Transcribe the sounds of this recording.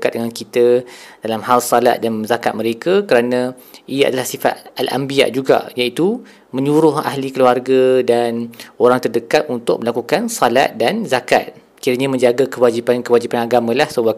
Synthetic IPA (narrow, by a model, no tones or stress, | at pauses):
kat̪̚dəŋankit̪ədalamhalsala̰t̪̚danzakat̪̚məɾekakəɾanã | ija̰dalahsifa̰t̪̚alʔa̰mbia̰ʔd͡ʒuɡa̰jait̪u | mə̃ɲuɾʊɦa̰hlikəluarɡadanoɾaŋt̪ərdəkat̪̚unt̪ʊ̰k̚məlakukansala̰t̪̚danzaka̰t̪̚ | kiɾaɲamə̃ɲd͡ʒaɡakəwad͡ʒipankəwad͡ʒipanaɡamãlahsəwa